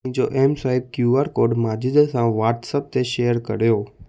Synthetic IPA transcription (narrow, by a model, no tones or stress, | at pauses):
ĩd͡ʒoʔemsaib̚kjuaɾkoːɾɖmaːd͡ʒid̪sãʋaːɾʈsəp̚t̪eʃejəɾkəɾjoː